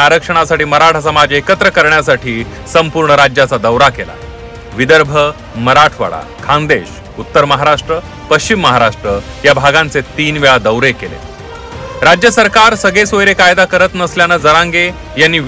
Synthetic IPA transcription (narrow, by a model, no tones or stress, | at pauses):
aɾəkʂəɽ̃asaʈiːməɾaʈʰasəmad͡ʑekət̪ɾəkəɾɳjasaʈiː | səmpuɾɳəɾad͡ʑjat͡sad̪əwɾakela̰ | ʋid̪əɾbʱə | məɾaʈʰʋə̰ɭa̰ | kʰãnd̪eɕ | ut̪ːəɾməɦaɾaʂʈɾə | pəɕt͡ɕimːəɦaɾaʂʈɾəjabʱaɡãnt͡set̪iːnʋeɭad̪əwɾekelḛ | ɾad͡ʑjəsəɾkaɾsəɡɭesojɾekajd̪akəɾət̪nəsljanəd͡zəɾãŋɡe | janːiː